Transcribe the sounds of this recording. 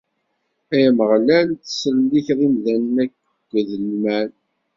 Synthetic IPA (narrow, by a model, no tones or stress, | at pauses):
æjməʁlænθə̥sɾəliçɾˤimðænnækː | ðəlmæl